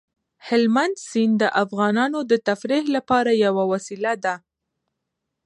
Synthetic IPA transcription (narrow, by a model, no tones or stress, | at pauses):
hɪlmand̪sind̪əʔafɣɑnɑnod̪ət̪afɾehlapɑɾajawawasilad̪a